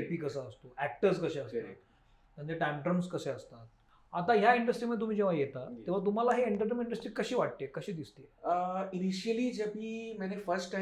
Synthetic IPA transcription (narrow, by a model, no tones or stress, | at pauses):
epiːkəsəəst̪oʔæk̚ʈəɾskəɕeəst̪o | t̪ãnt͡seʈɛmʈəmskəseəst̪at̪̚ | at̪aɦjaiɳɖəsʈɾimət̪̬um̤iːd͡ʑeʋ̤ajet̪at̪ẽʋ̤at̪̬um̤alaɦeeɳɖəɾʈəmiɳɖəsʈɾikəɕiːʋaʈ̚t̪ekəɕiːd̪ist̪einiɕiəliːd͡ʑapiːmanefəɾsʈʈa